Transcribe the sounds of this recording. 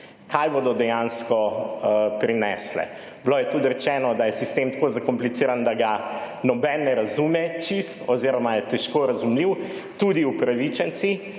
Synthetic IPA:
kʰajbod̪ɔd̪ɛjanskɔ | pɾinɛslɛ̰ | bloːjɛt̪ut̪ɾɛt͡ʃɛːnɔd̪ajɛsist̪eːmt̪ḁkozakɔmplit̪siːɾand̪aɡa | nɔbɛnːɛɾazumɛt͡ʃist̪ɔziɾɔmajɛt̪ɛʃkoɾazumliw | t̪ud̪iupɾaʋit͡ʃɛnt̪si

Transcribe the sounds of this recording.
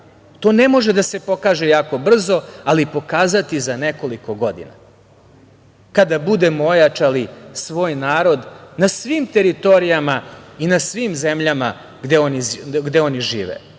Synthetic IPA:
t̪o̞ːnemo̞ʒed̪ase̞po̞kaːʒe̞jaːko̞br̩zo̞alipo̞kaːzat̪izaneko̞liko̞ɡo̞d̪ḭna̰ | kad̪abud̪emo̞jat͡ʃalisʋo̞ːjnaːɾo̞d̪nasʋimt̪e̞ɾit̪o̞ɾijamainasʋimzemʎama | ɡd̪eoniɡd̪e̞o̞niʒiːʋḛ

